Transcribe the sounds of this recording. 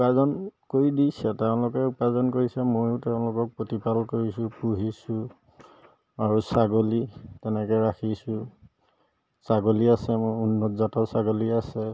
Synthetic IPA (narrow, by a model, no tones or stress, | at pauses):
pazɔnkoɹidijsɛtɛʊ̃lʊkɛupazɔnkoɹisɛmojʊtɛʊ̃lʊkɔk̚pɹotipalkoɹisʊ̃puɦisʊ̃ | aɹusaɡolitɛnɛkɛɹakʰisʊ̃ | saɡoliasɛmojunːɔtzatɔsaɡoliasɛ